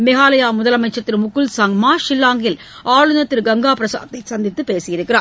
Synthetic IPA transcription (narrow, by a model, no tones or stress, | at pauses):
mɪɣaːlɐjaːmʊðɐlɐmɐɪt͡ʃːɐt̪ːɪɾmʊkːɯlsɐŋmaːʂɪlːaːŋɡɪl | aːɻɯnɐt̪ːɪɾɡɐŋɡaːpɾɐsa̰ːɐt̪ːɐɪsɐnd̪ɪt̪ːɯpeːsɪjɪɾɯkːɪra̰ːɾ